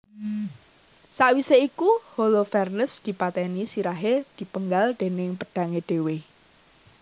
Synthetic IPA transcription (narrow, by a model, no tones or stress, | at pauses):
saʔwiseikuholofɛrnəsd̪̥i̤pat̪ɛnisiɾaɦed̪̥i̤pəŋɡald̪̥e̤nɪŋpəd̥ä̤ŋeɖ̥e̤we